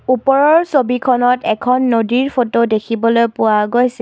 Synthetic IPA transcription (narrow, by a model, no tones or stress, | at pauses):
upɔɹɔɹsobikʰɔnɔtɛkʰɔnːodiɹpʰotodekʰibɔlojpʊwaɡojsɛ